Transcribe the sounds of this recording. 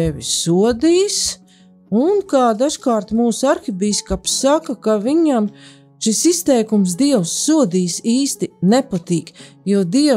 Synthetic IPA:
eʋʲisuɔd̪iːs | unkaːd̪aʒkaːɾt̪muːsaɾxibiːskapsakakaʋiɲam | ʃisist̪ɛjkumsd̪iɛwsːuɔd̪iːsiːst̪inɛpat̪iːkjuɔd̪iɛ

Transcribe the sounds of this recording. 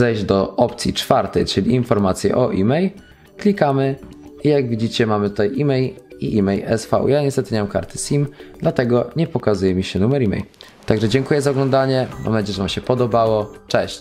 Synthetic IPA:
zɛjʑd͡ʑd̪ɔʔɔpt̪sʲḭt͡ʂfaɾt̪ɛ̰jt͡ʂɘlʲiːnfɔɾmat̪sʲjɛ̰ʔɔʔimɛj | klʲikamɘijaɡvʲid͡ʑit͡ɕɛmamɘt̪ut̪ajʔimɛjiʔimɛjɛ̰sfa̰ṵjaɲɛst̪ɛt̪ɘɲɛmamka̰ɾt̪ɘ̥sʲimd̪lat̪ɛɡɔɲɛpɔkazujɛmʲiɕɛnumɛɾimɛ̰j | t̪aɡʐɛd͡ʑɛŋkujɛzaɔɡlɔ̃nd̪aɲɛma̰mɛaɲd͡ʑɛʐvamɕɛpɔd̪ɔbawɔt͡ʂɛɕt͡ɕ

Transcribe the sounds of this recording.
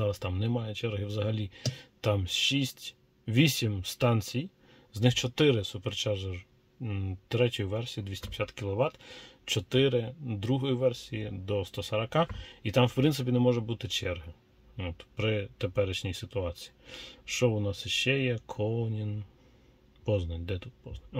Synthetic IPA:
zɑɾɐst̪ɑmnɛmɑjɛt͡ʃɛɾɦɪwzɐɦɐlʲit̪ɑmʃisʲtʲ | ʋʲisʲimst̪ɑnʲt͡sʲij | znɪxt͡ʃɔt̪ɪɾɪsʊpert͡ʃɑʒɛr | t̪ɾɛtʲɔjiʋɛrsʲijid̪ʲʋʲisʲtʲipʲsʲat̪kʲilˠɔʋɑt̪t͡ʃɔt̪ɪɾɪd̪ɾuɦɔjiʋɛrsʲijid̪ɔst̪ɔsɐɾɐkɑit̪ɑmwpɾɪnt̪sɪpʲinɛmɔʒɛbut̪ɪt͡ʃɛrɦɐ | ɔt̪pɾɪt̪epɛɾɪʃnʲijsɪt̪ʊɑt͡sʲi̥jiʃt͡ʃɔʊnɑsiʃt͡ʃɛjɛkʰɔnʲin | pɔznɐnʲd̪ɛt̪ut̪̚pɔznɐnʲ

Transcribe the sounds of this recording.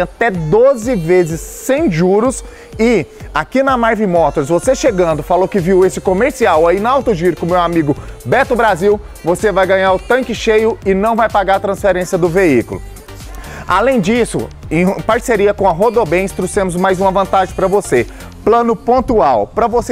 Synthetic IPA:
at̪ɛd̪ozɪvezɪsːẽj̃ʒuɾʊs | ɪakinɐmaɾvĩmɔt̪oɾs̬voseʃeɡɐ̃nd̪ʊfalowkɪviwesɪkomeɾsiawainɐawt̪oʒiɾʊkʊ̃mewamiɡʊbɛt̪ʊbɾaziw | vosevajɡɐ̃ɲaɾʊt̪ɐ̃kɪʃejʊɪnɐ̃w̃vajpaɡaɾɐt̪ɾɐ̃sfeɾẽsiɐd̪ʊveikʊlʊ̰ | a̰lẽj̃d͡ʒisʊ̰ẽj̃paɾseɾiɐkõɐɦod̪obẽj̃st̪ɾosẽmʊzmajzũmɐvɐ̃nt̪aʒẽj̃pɾɐvose | plɐ̃nʊpõnt̪uawpɾɐvose

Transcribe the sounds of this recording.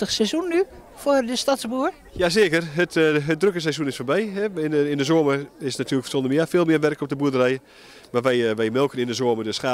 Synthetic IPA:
əxsɛsunːy | fʊərdəstatsbuːər | jaseːkərɦətət̚drøkəs̬ɛsunɪsfoːbɛjɦɛɪɪndəzoːəmərɪsnatʰyːəəkfə̥rsondəmjɪəfɪːlˠmɪəʋɛrkɔp̚dəbuədərɛjə | maʋɛjʋɛjmɪlˠkənɪndəzoəmərdøsχa

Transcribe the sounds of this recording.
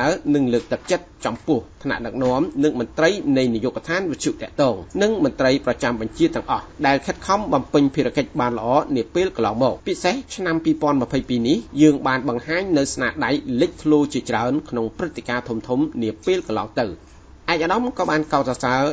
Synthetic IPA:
aənɨŋləːk̚t̪ɨk̚t͡ɕət̪̚t͡ɕɑmpʊ̆əht̪ʰna̰ʔɗɨk̚nŏəmnɨŋmʊ̆nt̪rəjnɨjnijoːkat̪ʰaːnʋɨt̪̚ʰjuʔt̪ɛ̆əʔt̪ɔːŋnɨŋmʊ̆ənt̪rəjprɑt͡ɕamɓɑɲt͡ɕiət̪ːɛ̆əŋʔɑhɗaɛlkʰət̪̚kʰɑmɓɑmpɨɲpʰiəɾaəkəc̚ɓaːnlə̆ʔɑːniəpeːlkɑnlɑːŋmɔːk̚piseht͡ɕʰnampiːpŏənmə̆əpʰəjpiːnihjəːŋɓaːnɓɑŋhaːɲnɨwsnaːɗajlɨc̚k̪ʰloːt͡ɕiət͡ɕraənkʰnoŋprɨt̪ʰːekaːt̪ʰumt̪ʰumniəpeːlkɑnlɑ̰ːŋt̪ɨw | ʔaɛk̚ʔaɗɑmkɑːɓaːnkaɔt̪̚sɑsaə

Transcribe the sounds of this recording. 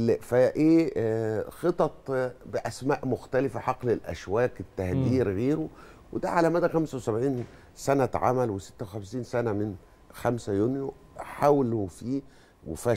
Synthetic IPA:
fæʔeː | xet̪ˤɑt̪ˤbɪʔæsmæːʔmʊxt̪ælɪfæħɑqlelʔæ̰ʃwæːkt̪ːæhd̪iːɾɣeːɾo | wed̪æʕalæmæd̪æxæmsæwesæbʕiːn | sænæt̪ʕa̰mælwesɪ̥t̪ːæwexæmsiːnsænæmɪn | xæmsæjunjo | ħawlofiː | wefæ

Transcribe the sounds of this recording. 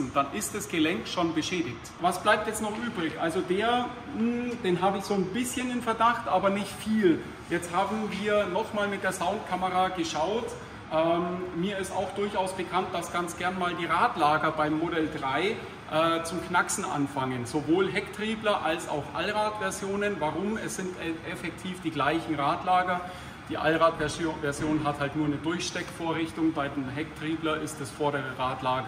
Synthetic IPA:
n̩d̥anʔɪst̚d̥asɡ̥əlɛŋkʃoːnbəʃɛːdɪçtvasb̥laɪp̚tjɛt͡stnɔχʔyːbʁɪçʔalzodeːɐ | m̩d̥eːnɦaːbəɪçz̥oːnbɪsçənɪnfɛɐdaχtʔaːbɐnɪçtfiːl | jɛt͡sthaːbm̩viːɐnɔχmaːlmɪt̚d̥eːɐzaʊntkʰaməʁaːɡəʃaʊt | ʔɛːmmiːɐɪstaʊxd̥ʊɐçaʊsb̥əkʰant̚d̥asɡ̥ant͡sɡ̥ɛɐnmaːldiːʁaːtlaːɡɐbaɪmːodɛldʁaɪ | ʔɛːt͡sʊmknaksn̩ʔa̰nfaŋənzovoːlɦɛktʁ̥iːblɐʔalsa̰ʊxʔa̰lʁaːtv̥ɛɐzjoːnənvaʁʊmɛsz̥ɪntɛfɛk̚tʰiːfd̥iːɡlaɪçn̩ʁaːtlaːɡɐ | d̥iːʔa̰lʁaːtɛvɛɐzjoːnɦathaltnuːɐnədʊɐçʃtɛkfoːɐʁɪçtʊŋbaɪdeːmɦɛk̚tʁ̥iːblɐʔɪstɛsfɔɐɾəʁəʁaːtlaːɡə

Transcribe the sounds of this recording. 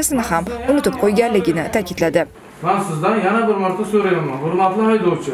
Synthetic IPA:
sɪnɪhamʊnʊt̪ɪp̚qʰojɡʲanlɪɡʲɪnɪt̪ʰakʲʰɪd̪lad̪ɪ | mansɪzd̪anjanabɪɾmɒɾt̪ʰasɵɾajamanʊɾmat̪lˠɪɒjd̪oɾt͡ʃʰɪ

